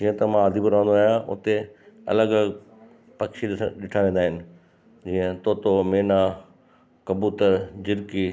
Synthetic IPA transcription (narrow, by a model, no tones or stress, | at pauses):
d͡ʑiːə̃t̪ɐmãɐd̪ʱibʊɾaʋə̃nd̪oaːɦjaʊ̰t̪eɐ̰ləɡ | pɐkʃiɗɪʈʰaʋẽːnd̪aːɦɪnɪ̆ | d͡ʑiːə̃t̪oːt̪omeːna | kɐbuːt̪əɾd͡ʑɪɾki